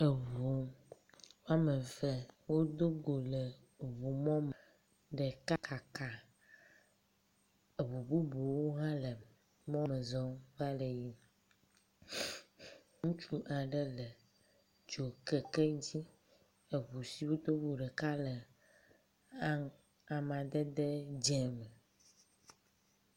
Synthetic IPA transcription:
ə˨vo˨ | wa˦mə̃˨fɛ˦wo˦d̪o˦ɡo˨lə˨ | vo˨mɔ̃˦m˨ | ɖɛ˨ka˦kʰa˨ka˨ | e˨βu˨bu˦bo˨wo˦ɦã˦lə˨ | mɔ̃˦mə˨zɔ̃˦va˦lə˨ji˦ | ŋũ˦t͡ʃu˦ʔã˨ɖə˦lə˨ | d͡ʒo˨kɛ˨kɛ˦d͡ʑi˦ | e˨βu˨si˦wo˦t̪o˦βu˨ɖɛ˨ka˦lə˨ | a˦ŋ | a˨mã˨d̪ɛ˦d̪ɛ˦d͡ʒɛ̃˦mə˨

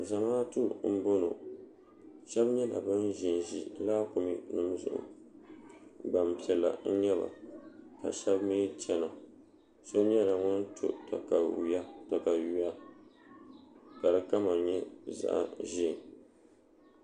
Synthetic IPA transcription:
za˨maː˦tu˦m̩˦bo˦no̰˨ | ʃɛ˦bɲɛ˦la̰˨bɨ˦n˦ʒi˨n˨ʒi˦laː˦kʊ˨mi˦nɨ˦m˦zʊ̰˨ʔʊ̰˨ | ba˨m˨pi˨ɛ˨lːa̰˨n̩˦ɲɛ˦βa̰˨ka̰˨ʃɛ˦bmeː˦t͡ʃɛ˦na˨ | so˦ɲɛ˦la˨ŋʊ˦n˦tʰʊ̰˦ta̰˨ka˨a˦ta˨ka˨ju˨˦ja˦ | ka˨ɾɨ˨ka˦ma˨ɲɛ˦za̰˦ʔa̰˨ʒi˦˨

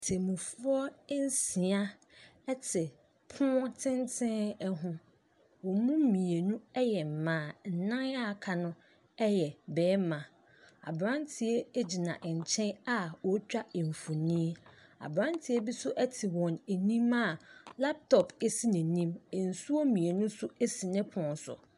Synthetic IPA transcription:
tʰɪ˨mũ˨fʊ˦ɔ˦n˦si˨a˦ | ɛ˦tʰɪ˨ | pʰʊ̃˦tʰɪ̃˦ntʰɪ̃˦nɛ˦ɦʊ̃˦ | wɔ̃˨˦mũ˦m̩˦mĩ˨e˨nũ˦ɛ˦jɛ˨m̩˨mãː˨n̩˨nã˦na˦˨kʰa˨nʊ̃˦ | ɛ˦jɛ˨bɛː˨˦mã˨ | a̰˨bɾã˦ntʰɪ˨e˦e˦d͡ʑi˨nã̰˨ʔɲ̩˨t͡ɕʰɛ̃˦na˦wɔ˨˦t͡ɕᶣa˦e˨m˨fu˨nĩ˦e˦a̰˨bɾã˦ntʰɪ˨e˦bi˦sʊ˦ʔɛ˦tʰɪ˨wɔ̃˨ne˨nĩ˦ma˦˨la˦p̚tʰɔ˨pe˨si˦nɪ̃˨nĩ˦m˨n̩˨su˦o˦mĩ˨e˨nʊ̃˦sʊ˦e˦si˨nɪ̃˦pʰʊ̃˨n˦sʊ̰˨

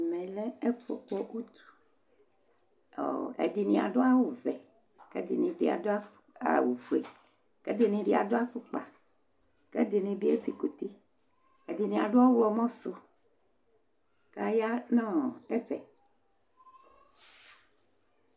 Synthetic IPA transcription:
mẽ˨le˦e˦fɔ̰˨k͡pɔ˦ʔu˦t̪u̥˨ | o̰˨ḛ˨di˨nĩ˨a̰˨ɖo˦a˦wo˨vɛ˨ | kḛ˦di˨nĩ˨de˨a̰˨do˦a˦ | a̰˦˨wu˨fu˦ḛ˨ | kɛ˦de˨nĩ˨ɖe˨a̰˨do˦a˦fu˦k͡pa˨ | kɛ˦de˨nĩ˨bi˦e˦ti˦ko˨t̪i˦ | e˨di˨nĩ˨a̰˨ɖo˦a˦wɔ˨mɔ̃˦so˨ | ka˦ja˦nɔ̃˦e˦ɸɛ˨

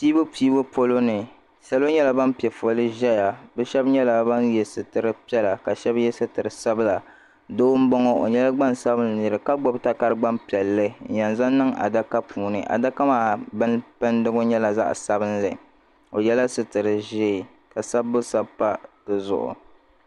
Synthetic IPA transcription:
piː˦bo˦piː˦bo˦po˦lo˦nɨ˨ | sa˦la˦ɲɛ˦la˨ba˦mpi˨ɛ˨fo˨lɨ˦ʒɛ˦ja˨bɛ˦ʃɛ˦bɲɛ˦la˨ba˦njɛ˨sɨ˨tɨ˨ɾɨ˦pi˦ɛ˦la˨ka˨ʃɛ˦bjɛ˦sɨ˦tɨ˨ɾɨ˨sa˦bɨ˦la˨ | doː˦m̩˦bɔ˦ŋɔ˦o̰˨ɲɛ˦la˦ɡ͡ba˦nsa˦bɨ˦n˨nɨ˨ɾɨ˨ka˦ɡ͡bo˦bta˦ka˦ɾɨ˦ɡ͡ba˦mpi˨ɛ˨lːɨ˦n̩˦ja˨nza˦nː˦ɨ˦ŋa̰˨da˦ka˦puː˨nɨ˨ʔa̰˨da˦ka˦maː˨˦bɨ˦npɨ˦ndɨ˦ɡo˦ɲɛ˦la˨za̰˦ʔsa˦bɨ˦nlɨ̰˨ | o˨jɛ˦la˦sɨ˨tɨ˨ɾɨ˨ʒe˦˨ | ka˨sa˦bːʊ˦sa˦pːa˦tɨ˨zʊ̰˨ʔʊ̰˨

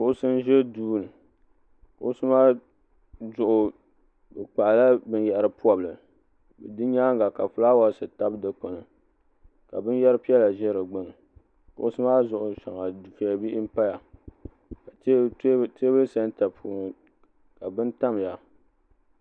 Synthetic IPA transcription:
kʊ˦˨ʔʊ˦sɨ˦n˦ʒɛ˦duː˦˨nɨ˨ | kʊ˨ʔʊ˦sɨ˦maː˦ | zʊ˨ʔʊ˨ | bɨ˨k͡pa˨ʔla˦bɨ˦njɛ˨ʔɾɨ˨pu˦ɔ˨blɨ˨ | bɨ˨dɨ˦ɲaː˦ŋ˦ɡa˨ka˨fʊ˦la˦wa˦˨˦sɨ˨ta˦bdɨ˨k͡po˨nɨ˨ | ka̰˨bɨ˦n˦jɛ˦ɾɨ˦pi˦ɛ˦la˨ʒɛ˦ɾɨ˨ɡ͡bɨ˦˨nɨ˨ | kʊ˨ʊ˦sɨ˦maː˦zʊ˨ʔʊ˨ʃa˨ŋa˨dfi˨a˨bi˦ʔi˦m̩˦pa˦ja˨˦ | te˦bɨ˦sa˦n˦ta˨pʰuː˦˨ | ka˨bɨ˦nta˦m˨ja˨

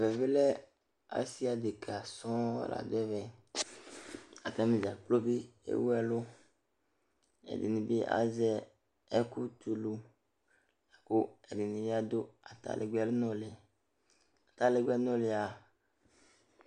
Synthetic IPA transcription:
vɛ˨ve˦lɛ˦ | a̰˨si˦a˨d̪e˨ka˨sɔ̰̃˦la̰˨d̪ɛ˦vɛ˨ | a˨t̪ã˦mẽ˨zi˨a˨k͡plo˦be˦ḛ˦wu˦ɛ˨lo˦ | ɛ̰˨dḛ˨nĩ˨be˦ʔa̰˨zɛ˦ | ɛ˦ku˦t̪u˨lu˨ | la˨ko˦ɛ˨de˨nĩ˨le˦a˦d̪o˦a˨t̪a̰˦lʔe˨ɡ͡bɛ˨le˦nɔ̃˦le˨ | a˨t̪a˦le˨ɡʷɛ˦nɔ̃˦le˨a˨

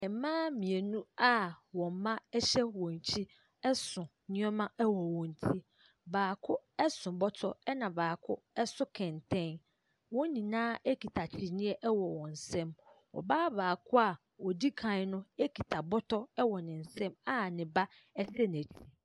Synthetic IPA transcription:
ɛ˨˦mãː˦mĩ˨e˨nũ˦a˦wɔ̃˨m˦mã˦ɛ˦ɕɛ˦wɔ̃˨ɲ˨t͡ɕʰi˦ | ɛ˦sʊ̃˨ | ɲɪ̃˦ɔ˦mã˦ɛ˦wɔ˨wɔ̃˨n˨tʰi˦ | baː˨kʰʊ˦ɛ˦sʊ̃˨bɔ˦tʰɔ˦ɛ˦nã˨baː˨kʰʊ˦ | ɛ˦sʊ˦kʰɛ̃˨ntʰɛ̃˦n | wɔ̃˦nĩ˨nãː˦e˦kʰi˨tʰa˨t͡ɕʰi˨nɪ̃˦ɛ˦ʔɛ˦wɔ˨wɔ̃˨n̩˨sɛ̃˦mwɔ̰˨baː˦baː˨kʰʊ˦a˨ | wɔ˨di˦kʰã˨˦nʊ̃˦e˦kʰi˨tʰa˨bɔ˦tʰɔ˦ɛ˦wɔ˨nɪ̃˨n̩˨sɛ̃˦ma˦nɪ̃˨ba˦ | ɛ˦sɛ˦n˨æ˨t͡ɕʰi˨

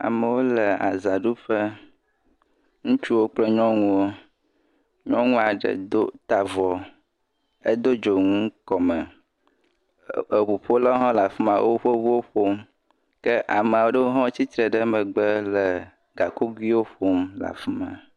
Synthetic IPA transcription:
a̰˨mə˨wo˦lə˨a̰˨za˨ɖu˦ɸə˦ | ŋũ˦t͡ʃu˦wo˦k͡plə˦ɲɔ̃˦ŋũ˦wo˦ | ɲɔ̃˦ŋũ˦a˨ɖə̰˨d̪o˦t̪a˨vɔ˨ | e˦d̪o˦d͡ʒo˨ŋũ˦kɔ˨mə˨ | e˨ɸu˨ɸo˦lɔ˦ɦɔ̃˦la˨fi˦mã˨wʔo˦ɸə˦vu˦wo˦ɸo˦m | kə˦ʔa˨mẽ˨a˨wo˦ɖə˦wo˦ɦɔ̃˦t͡ɕi˦t̪ɾə˨ɖə˦mə˨ɡ͡bə˦lə˨ | ɡa˨ko˦ɡwi˦wo˦ɸo˦mla̰˨fi˦mã̰˨

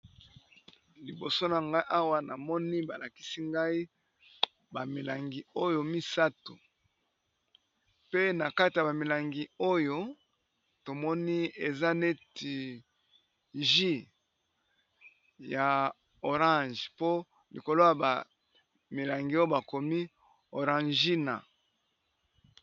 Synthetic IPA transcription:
li˨bo˨so˦na˨ŋɡa˦i˦ʔa˦wa˦na˨mɔ˦ni˦ba˨la˨ki̥˦si˦ŋɡa˦i˦ | ba˨mi˨la˨ŋɡi˨o˦jo˨mi˦sa˦to˨ | pe˦na˨ka˦ti˨ja˨ba˨mi˨la˨ŋɡi˨o˦jo˦ | to˨mɔ˦ni˦e˨za˦ne˦ti˨ | ʒi˦ | ja˨ | o˨ʁã˦ʒpo˦ | lḭ˨ko˨lo˦ja˨ba˨ | mi˨la˨ŋɡi˨o˦jo˦ba˨ko˨mi˦ | o˨ʁã˨ʒi˦na̰˨

